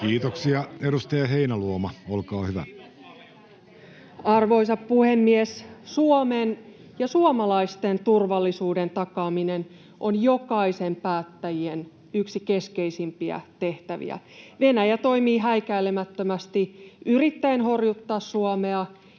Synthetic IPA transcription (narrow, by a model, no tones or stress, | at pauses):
kiːt̪oksiɑeɾust̪ɑjɑɦeinæluomɑolkɑːhyʋæ̰ | ɑrʋo̞isɑppuhemːiessuomen | jɑsuomɑlɑist̪ent̪urʋɑlːisuːde̞nt̪ɑkɑːminen | ʔonjo̞kɑise̞mpæːt̪ːæjien | yksike̞ske̞isimpiæ̰t̪e̞ht̪æʋḭæ̰ | ʋe̞næjæt̪o̞imiːɦæikæilemæt̪ːømæst̪iʔyrit̪ːæenho̞rjut̪ːɑːssuomeɑ